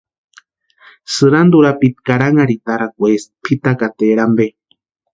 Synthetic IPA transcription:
sɨɾand̪uɾapit̪̚kaɾaŋaɾit̪aɾakʷespʰit̪akat̪eɾambe

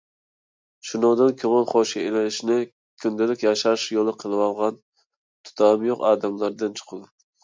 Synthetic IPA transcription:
ʃunoŋd̪ɨnkʲʰøŋɪlˠχoʃielɪlɪʃnɪ | kʲʰynd̪ɪlɪkʲjɑʃɑɾʃjolˠɨqʰəlˠɨwɑlˠʁɑn | t̪ʰu̥t̪ʰɑmjoqɑːd̪ɛmlˠɑɾd̪ɨnt͡ʃʰə̥qʰəd̪ɪ

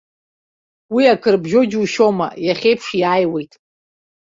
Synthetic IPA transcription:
wiakʰɨrbʒod͡ʒuʃo̞ma̰jaχʲe̞jpʰʂiaːjwe̞jtʼ

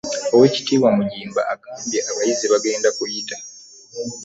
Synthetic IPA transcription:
o̞we̞ːci̥tiːβwamuɲiːmba̰ːɡaːmbjeaβajizeβaɡe̞ːndakujita

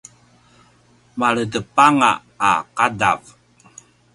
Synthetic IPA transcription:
maɭədəpaŋa̰ː | qada̰v

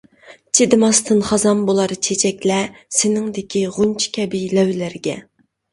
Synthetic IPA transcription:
t͡ʃʰed̪ɨmɑst̪ɨnχɑzɑnbolˠɑɾɨt͡ʃʰet͡ʃʰɛkʲlɛsɪnɪŋd̪ɪkʲʰiʁunt͡ʃʰi̥kʲʰɛbɪjlɛwlæɾɡʲɛ

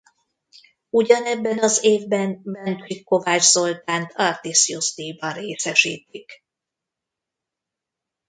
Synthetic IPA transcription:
uɟɒnɛbːɛnɒzeːvbɛnbɛnt̪rikːo̞vaːd͡ʒzo̞lt̪aːnt̪ʰɒrt̪isiust̪ibɒɾeːsɛʃiːt̪̚ik

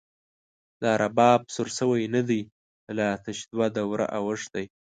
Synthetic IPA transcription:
d̪ɑɾʔabɑb̚suɾsəwajnad̪ij | lat̪aʃd̪wad̪awɾa̰ʔawəʂd̪aj

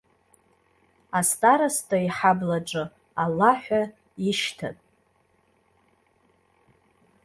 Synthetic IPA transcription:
astʼaɾastʰʼaiħablaʈ͡ʂʼɨ | alːaħʷᶣa | iʃtʰa̰tʼ

